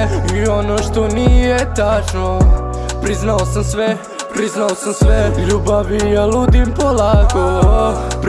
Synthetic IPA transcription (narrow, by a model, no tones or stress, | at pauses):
io̞no̞ʃt̪o̞niːjet̪at͡ʃnopɾiznaosamsʋe | pɾiznaosamsʋɛʎuːbaʋijalud̪impolaːkop